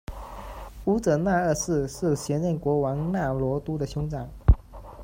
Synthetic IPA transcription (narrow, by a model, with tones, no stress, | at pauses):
u˥t͡sɤ˨˩na˥˧ə˥˧sɹ̩˥˧ʂɻ̩˥˩ɕjɛ˧˥nɻɛ˥˩nkwɔ˧˥wɑ˧˥ŋna˥˩lwɔ˧˥t̪u˥d̪ə˨ɕjʊ˥ŋʈ͡ʂɑ˨˩˦ŋ